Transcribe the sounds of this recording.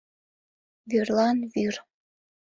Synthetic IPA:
vyrlˠɑnvyr

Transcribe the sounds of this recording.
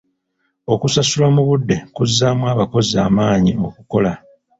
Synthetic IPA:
o̞kusasulamuβudːe̞kuzːaːmwaːβako̞ziaːmaːɲio̞kuko̞la

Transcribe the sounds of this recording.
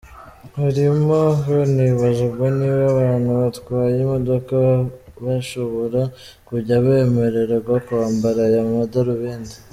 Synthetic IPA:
haɾimooniβaʒabɡoniβaβaːnhuβatwaːjimo̞do̞kaβaʃoβoɾa | kuɟaβeme̞ɾeɾeɡakuaːmbaɾajamumadaɾuβeːndi̥

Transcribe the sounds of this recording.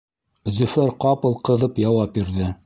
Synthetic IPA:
zɵ̆fæɾqɑpɤ̆lˠqɤ̆ðɤpjɑwɑp̚biɾðɘ

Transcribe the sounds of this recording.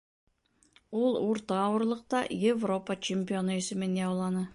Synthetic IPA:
wolˠwoɾt̪ɑːwəɾlˠəq̚t̪ɑ̰jevro̞pət͡ʃʰemʲpʲio̞nəʏsɪmeneɑwlˠɑnə

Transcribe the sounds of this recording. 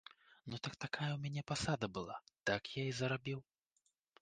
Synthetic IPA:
nut̪ɐkt̪akajɐwmʲanʲɛpasad̪ɐbɨlˠa̰t̪akjaizɐɾabʲiw

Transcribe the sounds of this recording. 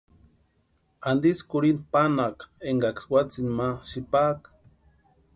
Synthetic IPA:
and̪iskuɾinpanakeŋɡakswat͡sinmaʃipak

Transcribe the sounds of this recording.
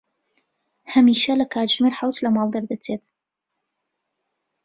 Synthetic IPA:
hɐmiːʃɐlɐkʰaːt̪ʒmeɾħawt̪lɐmɑːlˠd̪ɐɾd̪ɐt͡sʰeːt̪

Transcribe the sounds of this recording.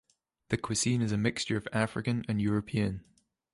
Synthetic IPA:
ðəkʰw̥ɪsĩnɪzəmɪkst͡ʃə˞əvafɹɪkə̃nə̃njɔːɹəpʰiə̃n

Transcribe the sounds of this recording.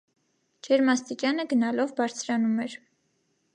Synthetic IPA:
d͡ʒʰɛɾmɑst̪it͡ʃjɑnəɡənɑlɔvbɑɾt͡sʰɾɑnumɛɾ

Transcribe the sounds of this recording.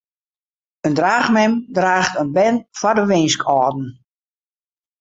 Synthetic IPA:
əndraːχmɛmdraːxtənbɛnfɔdəʋɪnskʰɔːdn̩

